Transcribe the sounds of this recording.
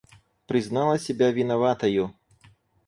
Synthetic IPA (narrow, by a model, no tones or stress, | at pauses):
pɾɨznalˠɐsʲɛbʲavʲinavat̪ɐju